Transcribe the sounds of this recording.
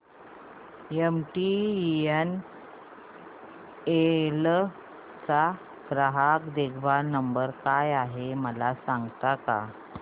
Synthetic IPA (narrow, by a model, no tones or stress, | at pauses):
emʈien | el | t͡sa | ɡ̥ɾəɦakd̪eɡʰbanəmbəɾkajaɦeməlasãŋɡt̪aka̰